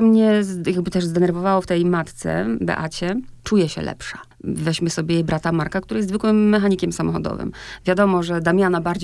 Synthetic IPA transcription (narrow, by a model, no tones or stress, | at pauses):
mɲɛzjaɡ̚bɘt̪ɛʐzd̪ɛnɛɾvɔvawɔft̪ɛjmat̪t̪sɛ̰bɛ̰ʔat͡ɕɛt͡ʂujɛɕɛ̰lʔɛ̰pʂa | vɛɕmɘsɔbʲjɛbɾat̪amaɾkakt̪uɾajɛst̪zvɘkwɘmːɛxaɲikʲɛmsamɔxɔ̰d̪ɔ̰vɘ̰mvʲjad̪ɔmɔʐɛd̪amʲjanabaɾd͡ʑ